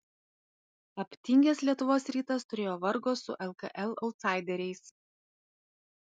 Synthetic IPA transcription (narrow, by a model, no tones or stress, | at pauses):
ɐpʲt̪ʲɪŋʲɡʲɛslʲiɛt̪ʊʋoːsɾʲiːt̪ɐst̪ʊɾʲeːjoːʋɐɾɡoːsʊ̰ʔɛlˠkɐ̰ʔɛlˠɔʊt̪sɑˑɪd̪ʲɛɾʲɛɪs